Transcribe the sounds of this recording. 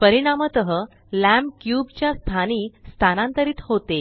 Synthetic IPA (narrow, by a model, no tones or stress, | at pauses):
pəɾiɽ̃amət̪əɦə | læmkjubt͡ɕjast̪ʰaniːst̪ʰanãnt̪əɾiːt̪hot̪e